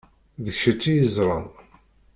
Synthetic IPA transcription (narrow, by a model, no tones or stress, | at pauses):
ðəçʃət͡ʃːijəzˤɾˤɑn